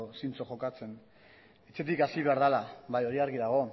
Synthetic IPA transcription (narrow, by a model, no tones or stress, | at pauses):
osint͡so̞χo̞kat͡se̞n | et͡se̞t̪̬ikasiβ̞eaɾðalaβajo̞ɾiaɾɣiðaɣ̞o̞